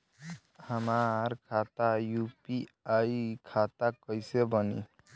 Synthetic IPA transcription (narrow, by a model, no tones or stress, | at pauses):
həmaɾkʰat̪ajupi | ajkʰat̪akʌjsebʌnḭ